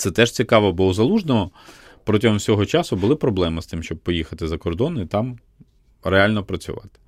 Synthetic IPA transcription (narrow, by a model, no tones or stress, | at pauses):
t̪sɛt̪ɛʒt͡sʲikɑʋɔbɔwzɐlˠuʒnɔɦɔ | pɾɔtʲɪɦɔmwsʲɔɦɔt͡ʃɑsʊbʊlˠɪpɾɔblˠɛmɪst̪ɪmʃt͡ʃɔb̚pɔjixɐt̪ɪzɐkɔrd̪ɔnit̪ɑm | ɾeɑlʲnɔpɾɐt͡sʲʊ̰ʋɑ̰t̪ɪ̥